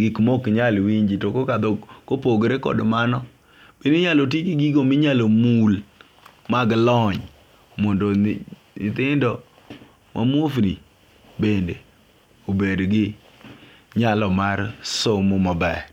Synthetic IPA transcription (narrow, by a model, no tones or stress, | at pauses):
ɡɪkmokɲalwiɲd͡ʒitokokad̪ɔkopoɡɾekɔ̰dmanɔ | b̥iniɲalot̬ikiɡiɡomiɲalomul | maɡlɔɲ | mɔndɔ | nɪt̪ɪndɔ | mʔa̰mofni | bende | obedɡɪ | ɲalɔmarsomomabɛ